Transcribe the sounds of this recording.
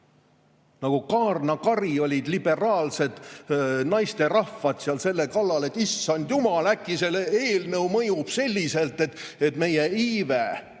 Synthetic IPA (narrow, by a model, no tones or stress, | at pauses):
nɑɡ̥ukɑːrnɑkɑrio̞lʲid̪libe̞rɑːlse̞d̪̥nɑjst̪e̞rɑfːɑd̪̥seɑlse̞lːekɑlːɑle̞t̪ːˑisːɑnd̪̥jumɑlækːˑise̞leːlnɤwmɤjub̥se̞lʲːise̞lt̪ːˑe̞t̪e̞t̪me̞je̞iːve